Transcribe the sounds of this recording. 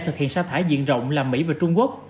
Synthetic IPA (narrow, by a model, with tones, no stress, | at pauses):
t̪ʰɨ˨˩k̚hḭ˧˨ənsaː˧wt̪ʰaː˧˩jzḭ˧˨ənzə̰˧˨wŋ͡mlaː˨˩mːḭ˧˥vaː˨˩t͡ɕʊ˧ŋ͡mku˦˥ək̚